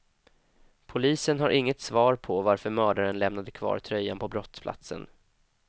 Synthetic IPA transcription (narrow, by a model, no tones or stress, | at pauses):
pʰʊliːsənɦaɾʔɪŋːət̪svɑːɾpʰɔvaɾfœɾmœːɖaɾənlɛmnad̪əkʰvɑ̰ːɾt̪ʰɾœjːa̰npʰɔbɾɔt̪spʰla̰t̪sə̰n